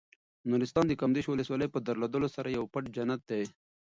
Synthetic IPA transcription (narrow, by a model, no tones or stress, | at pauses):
noɾist̪ɑːnd̪əkamd̪eʃwʊləswɑləjpəd̪aɾlod̪əlosaɾajawpaʈd͡ʒanat̪̚d̪e